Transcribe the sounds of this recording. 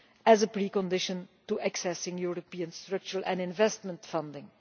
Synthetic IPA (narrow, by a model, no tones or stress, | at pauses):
æzəpɹiːkɔ̃ndɪʃə̃ntuʔɛksɛsɪ̃ŋjuɹopiə̃nstɹʌk̚t͡ʃəɹəlʔɛ̃nɪ̃nvɛstmə̃ntfʌ̃ndɪ̃ŋ